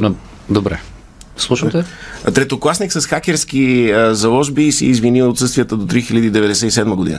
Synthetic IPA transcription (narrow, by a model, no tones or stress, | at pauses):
nɛ | d̪obɾɛ̰ | slˠuʃət̪ɛt̪ɾɛt̪oklˠasniksəsxakʲɛɾsk̟iəzɐlˠɔʒbisḭːzvinilˠot̪sɤst̪vijət̪əd̪ot̪ɾixilʲəd̪iːd̪ɛvɛd̪ɛsɛisɛd̪məɡod̪ḭnə